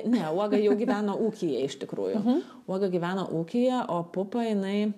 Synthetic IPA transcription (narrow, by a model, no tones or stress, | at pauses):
nʲɛuɔɡɐjɛʊɡʲiːʋʲæːnoːuːkʲijɛɪʃʲt̪ʲɪkɾṵːjʊ̰ | uɔɡɐɡʲiʋʲæːno̰ʔuːkʲijɛʔoːpʊpɐjɪnɐɪ